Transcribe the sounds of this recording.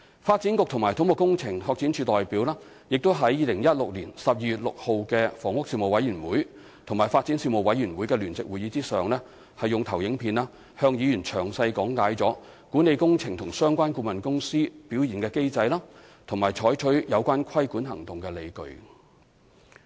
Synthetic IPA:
faː˧t̚t͡si˨˥nkʊ˨k̚t̪ʰʊ˨˩ŋmaː˨˩jt̪ʊ˨˥ŋmʊ˨kːʊ˥ŋt͡sʰɪ˨˩ŋhɔː˧k̚t͡siː˨˥nt͡ʃʰyː˧t̪ɔː˨jpiː˨˥wlaː˥ | jɪ˨k̚t̪o˥wɦɐ˨˥jːiː˨˧lɪ˨˩ŋjɐ˥t̚lʊ˨k̚liː˨˩nsɐ˨p̚jiː˧jyː˨t̚lʊ̰˨k̚ho˨wkɛː˧fɔː˨˩ŋwʊ˥k̚si˧wmo˨˩wɐ˨˥jy˨˩nwuː˨˥j | t̪ʰʊ˨˩maː˨˩jfaː˧t̚t͡siː˨˥nsi˧mo˨wɐ˨˥jyː˨˩nwuː˨˥jkɛː˧lyː˨˩nt͡sɪ˨k̚wuː˨jiː˨˧˥t͡siː˥sœː˨ŋlɛː˥ | hɐ˨jːjʊ˨ŋt̪ʰɐ˨˩wjɪ˨˥ŋpʰiː˨˧naː˥ | hœː˧ŋjiː˨˧jyː˨˩nt͡ʃʰœː˨˩ŋsɐ˧jkɔː˨˥ŋkaː˨˥jt͡sɔː˨˥ | ku˨˥ne˨˧jkʊ˥ŋt͡sʰɪ˨˩ŋt̪ʰʊ˨˩ŋsœː˥ŋkʷaː˥nkuː˧mɐ˨nkʊ˥ŋsiː˥piː˨˥wjiː˨˩nkɛː˧ke˥jt͡sɐ˧jlaː˥ | t̪ʰʊ˨˩ŋmaː˨˩jt͡ʃʰɔː˨˥jt͡ʃʰɵ˨˥ɥjɐ˨˧wkʷaː˥nkʷʰɐ˥jkuː˨˥nɦɐ̰˨˩ŋt̪ʊ˨ŋkɛː˧le˨˧jkɵ̰˨˧ɥ

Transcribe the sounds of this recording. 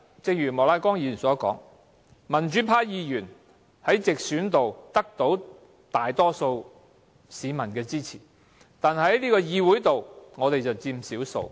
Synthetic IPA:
t͡sɪ˧ŋ̚jyː˨˩mɔː˨˩laː˧jkɔː˥ŋjiː˧jyː˨nsɔː˨˥kɔː˨˥ŋ | mɐ˨˩nt͡ʃyː˨˥pʰaː˧˥jiː˨˧jyː˨˩n | hɐ˨˥jt͡sɪ˨k̚syː˨˥nt̪o˨wt̪ɐ˥k̚t̪o˨˥w | t̪aː˨jt̪ɔː˥so˧w | siː˨˧mɐ˨˩nkɛː˧t͡siː˥t͡sʰiː˨˩ | t̪aː˨˩nhɐ˨˥jliː˥kɔː˧jiː˨˧wu˨˥jt̪o˨wŋɔː˨˧t̪e˨jt͡sɐ˨wt͡siː˧msiː˨˥wso̰˧w

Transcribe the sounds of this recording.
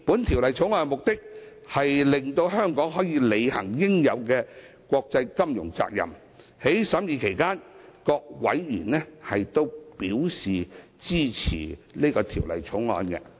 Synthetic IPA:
pu˨˥nt̪ʰiː˨˩wlɐ˨jt͡sʰʊ˨˥ŋɔː˧nmʊ˨k̚t̪ɪ˥k̚ | hɐ˨jlɪ˨ŋt̪o˧wɦœː˥ŋkɔː˨˥ŋɦɔː˨˥jiː˨˧le˨˧jhɐ˨˩ŋjɪ˥ŋjɐ˨˧wkɛː˧ | kʷɔː˧k̚t͡sɐ˧jkɐ˥mjʊ̰˨˩ŋt͡sa̰ː˧k̚jɐ̰˨˩m | he˨˥jsɐ˨˥mjiː˨˧kʰe˨˩jkaː˥nkɔː˧k̚wɐ̰˨˥jːy̰ː˨˩nlɛː˥hɐ˨jt̪o˥wpiː˨˥wsiː˨t͡siː˥t͡sʰḭː˨˩liː˥kɔː˧t̪ʰḭː˨˩wlɐ̰˨jt͡sʰʊ˨˥ŋlɔ̰ː˨˧nkɛ̰˧

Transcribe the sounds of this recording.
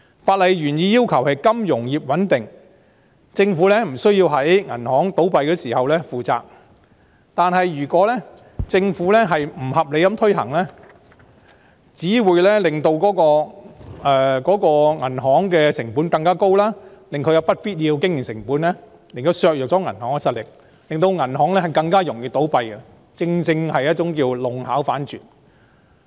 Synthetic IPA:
faː˧t̚lɐ˨jjyː˨˩njiː˧jiː˥wkʰɐ˨˩whɐ˨jkɐ˥mjʊ˨˩ŋjiː˨p̚wɐ˨˥nt̪ɪ˨˩ŋ | t͡sɪ˧ŋfuː˨˥lɛː˥m̩˨˩sɵ˥ɥji˧wɦɐ˨˥jŋɐ˨˩nhɔː˨˥ŋt̪o˨˥wpɐ˨˧jkɛː˧siː˨˩hɐ˨wlɛː˥fuː˨t͡sa̰ː˧k̚ | t̪aː˨nɦɐ˨jjyː˨˩kʷɔː˨˥lɛ˥ | t͡sɪ˧ŋfuː˨˥lɛ˥ɦɐ˨jm̩˨˩hɐ˨p̚le˨˧jkɐ˨˥mt̪ʰɵ˥ɥɦɐ̰˨˩ŋlɛː˥ | t͡siː˨˥wuː˨˧jlɛ˥lɪ˨ŋt̪o˧wkɔː˨˥kɔː˧ʔɛː˨˧kɔː˨˥kɔː˧ŋɐ˨˩nɦɔː˨˥ŋkɛː˧sɪ˨˩ŋpuː˨˥nkɐ˧ŋkaː˥ko˥wlaː˥lɪ˨ŋkʰɵ˨˧jɐ˨˧wpɐ˥t̚piː˥t̚jiː˧wkɪ˥ŋjɪ˨˩ŋsɪ̰˨˩ŋpuː˨˥nlɛː˥ | lɪ˨ŋt̪ɐ˨˧wsœː˨˧k̚jɔ˨k̚t͡sɔː˨˥ŋɐ̰˨˩nhɔː˨˥ŋkɛ˧sɐ˨t̚lɪ˨k̚ | lɪ˨ŋt̪̬o˧wŋɐ˨˩nɦɔː˨˥ŋlɛ˥hɐ˨˩jkɐ˧ŋkaː˥jʊ˨˩ŋjiː˨t̪o˨˥wpɐ˧jkɛ˧ | t͡sɪ˧ŋt͡sɪ˧ŋhɐ˨jɐ˥t̚t͡sʊ˨˧˥ŋkiː˧wlʊ˨ŋhaː˨˥wfaː˨˥nt͡ʃyː˨n̚

